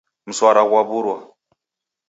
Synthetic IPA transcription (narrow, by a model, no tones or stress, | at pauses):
m̩swaɾaɣwaβuɾwa